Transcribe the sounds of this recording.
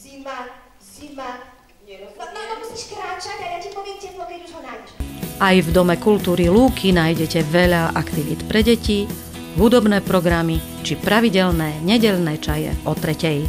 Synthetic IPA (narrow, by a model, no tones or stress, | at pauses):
ima | ima | nɔmusiːʃkɾaːt͡ʃaɟajacipɔʋɪɛmcɛpɔʋiɛɲuʒɦɔnajʔajvd̪ɔmɛkult̪uːɾiluːkʰinaːjɟɛcɛʋɛʎaʔakt̪iʋiːt̪pɾɛɟɛci | ɦud̪ɔbnɛːpɾɔɡɾami | t͡ʃipɾaʋiɟɛʎnɛːɲɛɟɛʎnɛːt͡ʃajɛ̰ʔɔt̪ɾɛcɛj